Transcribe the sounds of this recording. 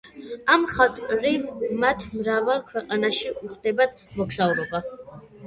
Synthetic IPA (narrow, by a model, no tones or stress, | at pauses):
amχat̪ʼɾimat̪ʰmɾavalˠkʰwɛqʼanaʃiʔuχd̪̥ɛbad̪ | mɔkʰsavɾɔba